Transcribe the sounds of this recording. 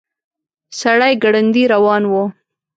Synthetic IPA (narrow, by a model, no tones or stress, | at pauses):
saɽajɡaɽand̪iɾawɑnwo